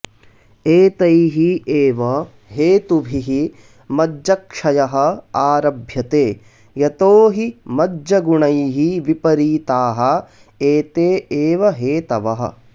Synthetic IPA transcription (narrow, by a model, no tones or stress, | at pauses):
eːt̪ɐjɦieːʋɐ | ɦeːt̪ubʱiɦi | mɐd͡ʒɐkʂɐjɐɦɐ̆aːɾɐbʱjɐt̪eː | jɐt̪oːɦimɐd͡ʒɐɡuɳɐjɦiʋipɐɾiːt̪aːɦɐ | eːt̪eːeːʋɐɦeːt̪ɐʋɐɦɐ̰